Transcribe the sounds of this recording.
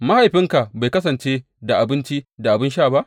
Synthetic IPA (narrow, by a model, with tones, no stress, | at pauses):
ma˦ha˨jɸɪ˦ŋka˨ba˨jkɐ˦sɐ˨nt͡ʃeː˦ | da˨ʔa˨bɪ˦nt͡ʃi˦da˨ʔa˨bɪ˦nʃaː˦˨ba˦ʔ